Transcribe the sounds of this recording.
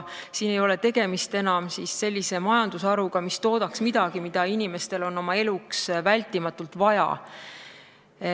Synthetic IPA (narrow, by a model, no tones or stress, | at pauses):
siːne̞jo̞le̞t̪e̞ɡ̥e̞mist̪e̞nɑmsisːe̞lʲːise̞mɑjɑnd̪usɑɾuɡ̥ɑmist̪o̞ːd̪̥ɑksmid̪̥ɑɡ̥imid̪̥ɑinʲime̞st̪e̞lo̞nːo̞mɑe̞luksvælʲt̪ːˑimɑt̪ːult̪vɑjɑ̰